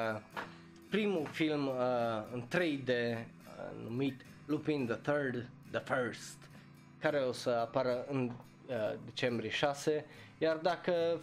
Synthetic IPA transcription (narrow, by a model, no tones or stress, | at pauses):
pɾimufilmɨnt̪ɾejd̪e | numit̪ | lupind̪əθəɾd̪ | d̪əfəɾst̪ | kaɾe̞o̞səapaɾəɨn | d̪e̞t͡ʃe̞mbɾieʃase | jard̪akə